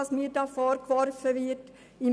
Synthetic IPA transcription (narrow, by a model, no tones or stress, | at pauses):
ɑsmiːɾdɑːfɔːɾkʋɔɾfəʋɪt | ɪm